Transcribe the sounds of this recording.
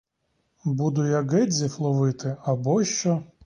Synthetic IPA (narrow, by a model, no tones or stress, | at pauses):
bud̪ʊjaɡɛdʲzʲiflˠɔʋɪt̪ɪɐbɔʃt͡ʃɔ